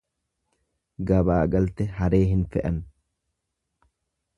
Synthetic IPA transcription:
ɡɐbaːɡɐlt̪ɛhɐɾeːɦɪnfɛʔɐn

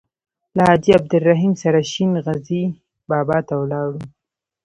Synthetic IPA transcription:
lahɑd͡ʒiab̚d̪ʊlːaɦimsaɾaʃinɣazi | bɑːbɑt̪awlɑɽu

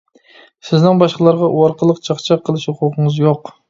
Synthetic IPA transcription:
sɪznɪŋbɑʃqəlˠɑɾʁɑʔuwɑɾqʰəlˠəqt͡ʃʰɑχt͡ʃʰɑqʰːəlˠɨʃhuqʰuqʰəŋɨzjoq

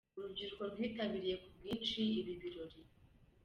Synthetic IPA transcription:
uɾuɟiɾuko̞nhwiːtaβiɾije̞kubɡiːnʃiiβiβiɾo̞ɾi

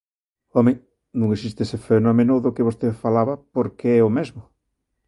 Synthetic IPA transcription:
ɔmeŋ | nũŋesist̪esefenomenoðʊkɪβost̪efalaβapoɾkeɛomezmʊ

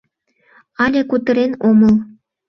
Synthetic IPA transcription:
ɑlʲekut̪ə̆ɾenoməl

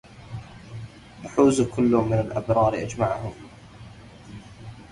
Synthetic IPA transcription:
ʔaħuːzkʊlːʊmːɪnalʔabɾˤɑːɾʔad͡ʒmaʕhʊm

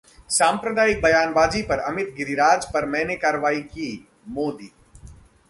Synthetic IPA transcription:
saːmpɾəd̪aːɪk̚bɐjaːnbaːzipɐɾɐmɪt̪̚ɡɪɾiɾaːd͡ʒpɐɾmɛ̃ːnekaːɾəʋaːikiː | moːd̪iː

